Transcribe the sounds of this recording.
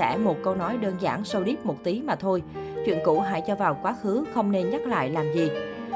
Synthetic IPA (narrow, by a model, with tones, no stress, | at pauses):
ɛ̰˧˩mo˨˩t̚kə˧wnɔ˨˦jɗəː˧nza̰ː˧˩nsə˧wɗi˦˥p̚mo˨˩t̚t̪i˨˦maː˨˩t̪ʰo˧jt͡ɕwḭ˧˨ənkṵ˧˩ɦa̰ː˧˥jt͡ɕɔ˧vaː˨˩wkwaː˨˦xɨ˨˦xə˧wŋ͡mne˧nɲa˦˥t̚la̰ː˧˨jlaː˨˩mzi˨˩